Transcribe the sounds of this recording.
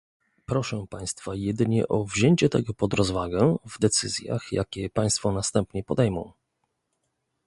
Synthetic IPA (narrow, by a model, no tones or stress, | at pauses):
pɾɔʂɛpaj̃st̪fajɛd̪ɘɲɛ̰ʔɔvʑeɲt͡ɕɛt̪ɛ̰ɡɔpɔd̪ɾɔzvaɡɛvd̪ɛt̪sɘzʲja̰xja̰kʲɛpaj̃st̪fɔnast̪ɛmpɲɛpɔd̪ɛjmɔ̃w̃